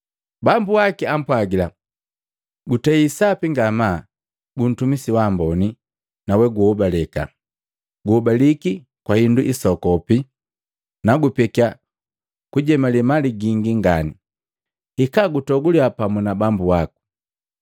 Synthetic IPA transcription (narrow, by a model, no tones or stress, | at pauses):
bambuakiam̩pwaɡila | ɡutɛisapiŋɡama | bun̩tumisiwaːmbɔni | nawɛɡuɔbalɛka̰ | ɡuhɔbaliki | kwahinduʔisɔkɔpi | naɡupɛkia | kuɟɛmalimaliɡiŋɡiŋɡani | hikaɡutɔɡuliapamunabambuwaku̥